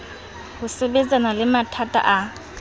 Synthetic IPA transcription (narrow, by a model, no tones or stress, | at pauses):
hʊsebɛd͡zʼanalɪmatʰatʼa̰ʔa